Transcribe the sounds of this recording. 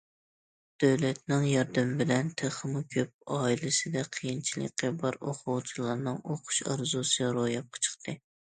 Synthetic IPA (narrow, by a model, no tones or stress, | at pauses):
d̪̥øwlɛt̪̚nɪŋjɑɾd̪ɪmbɪlɛnt̪ʰeχəmukʲʰøp̚ɑːilɪsɪd̪ɛqʰəjint͡ʃʰilˠɨ̰qʲːɨbɑɾoqʰʊwt͡ʃʰilˠɑɾnɨŋoqʰʊ̥ʃɑɾzusɨɾojɑp̚qʰɑ̥t͡ʃʰə̥χt̪ʰɨ